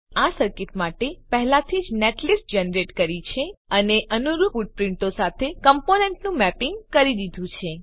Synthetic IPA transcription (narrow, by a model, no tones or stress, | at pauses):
asəɾkɪʈ̪maʈepəɦɛlãt̪ʰid͡ʒneʈlisʈd͡ʒɛnɾeʈkəɾit͡ʃʰeəneʔənuɾufuʈ̚pɾɪɳʈosat̪ʰekəmponeɳʈnũmɛpɪŋɡkəɾid̪id̪ʱũt͡ʃʰe